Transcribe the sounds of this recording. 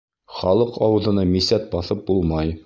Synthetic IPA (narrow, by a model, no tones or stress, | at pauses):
χɒlˠɤqɒwɤ̆ðɤ̆nɤmisæt̪̚bɒθɤp̚bulˠmɑj